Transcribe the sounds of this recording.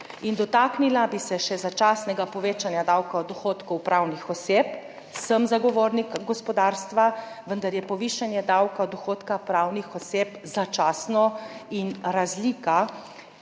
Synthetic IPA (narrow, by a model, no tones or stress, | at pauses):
ind̪ɔt̪aknilabisɛʃɛzat͡ʃaːsnɛɡapɔʋeːt͡ʃanjad̪awkaɔd̪ɔxoːt̪kɔwpɾaːwnixɔseːp | səmzaɡɔʋoːɾnikɡɔspɔd̪aɾst̪ʋa | ʋənd̪aɾjɛpɔʋiːʃanjɛd̪awkaɔd̪ɔxoːt̪kapɾaːwnixɔseːpzat͡ʃaːsnɔinɾazliːka